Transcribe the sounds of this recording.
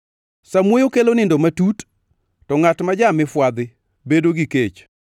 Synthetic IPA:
samwojokelonɪndomatut | tɔŋatmad͡ʒamɪfwad̪ɪ | bedoɡiket͡ʃ

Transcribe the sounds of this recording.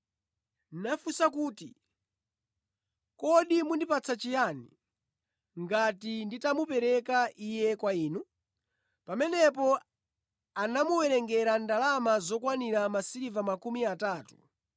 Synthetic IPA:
nnafusakuːti | kɔɗimundipat͡sʰat͡ʃijanḭ | ŋɡatinditamupɛɾɛkaʔijɛkwaiːnu | pamɛnɛpɔ | anamuwɛɾɛŋɡɛɾandalamazɔkwaniɾamasiɾivamakumiataːtu̥

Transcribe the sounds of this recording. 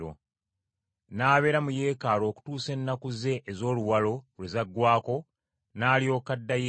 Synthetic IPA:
o̰ | naːβe̞ːɾamuje̞ːkaːlo̞ːku̥tuːse̞nːakuze̞ʔːzo̞ːluwalo̞βlezaɡːwaːko̞ | naːlio̞ːkadːaje

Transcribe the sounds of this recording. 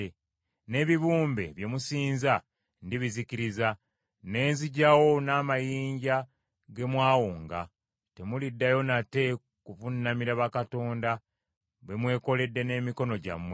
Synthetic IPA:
ne̞ːβiβuːmbe̞̰βje̞musiːnza | ndiβiziciɾiza | ne̞ːnziɟawo̞naːmajiːɲɟa | ɡe̞mwaːwoːŋɡa̰ | te̞mulidːajo̞nate̞ | kuvunːamiɾaβakato̞ːnda | βwe̞mwe̞ːko̞le̞dːe̞ne̞ːmiko̞no̞ɟa̰mwe

